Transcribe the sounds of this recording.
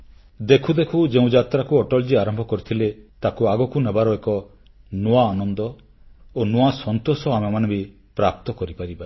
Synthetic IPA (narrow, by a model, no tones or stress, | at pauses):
d̪ekʰud̪ekʰud͡ʒeũd͡ʒat̪ɾakuɔʈɔld͡ʒiaɾɔmbʱɔkɔɾit̪ʰilet̪akuaɡɔkunebaɾɔekɔ | noaːnɔnd̪ɔ | onoasɔnt̪osɔamemanɔbi | pɾap̚t̪ɔkɔɾipaɾiba